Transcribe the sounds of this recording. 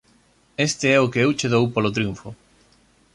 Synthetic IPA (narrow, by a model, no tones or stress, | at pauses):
est̪eɛokeewt͡ʃeðowpolot̪ɾijuɱfʊ